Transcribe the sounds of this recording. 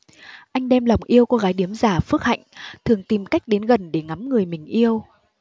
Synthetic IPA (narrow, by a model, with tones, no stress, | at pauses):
ʔa˧jŋ̟ɗɛ˧mla˨˩wŋ͡mʔi˧əwko˧ɣaː˨˦jɗi˨˦əmzaː˧˩fɨ˦˥k̚ha̰˧˨jŋ̟t̪ʰɨ˨˩əŋt̪i˨˩mka˦˥jk̟̚ɗe˨˦nɣə˨˩nɗe˧˩ŋa˨˦mŋɨ˨˩əjmï˨˩ŋ̟ʔi˧əw